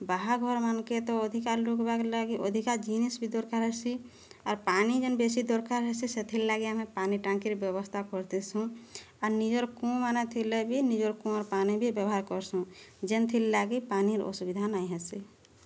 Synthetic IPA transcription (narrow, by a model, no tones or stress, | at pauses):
baɦaɡʱɔɾmənket̪ɔəd̪ʱikaɾlukbaklaɡiʔod̪ʱikad͡ʒinesbʱid̪ɔɾkaɾɦɛsi | ɔːɾpanid͡ʒenbesid̪ɔɾkaɾɦɛsiset̪ʰilːaɡiamẽpaniʈãŋkiɾbjəβəst̪ʰakɔɾt̪ɛsũ | ɔɾnid͡ʒoɾkũmanat̪ʰilebʱinid͡ʒoɾkũɔɾpanibʱibjəbɦaɾkɔɾsũd͡ʒent̪ʰillaɡipaniɾo̰subid̪ʱanaiɦɛsi